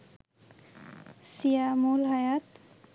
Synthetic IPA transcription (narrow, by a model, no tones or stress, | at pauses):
sijamulɦajat̪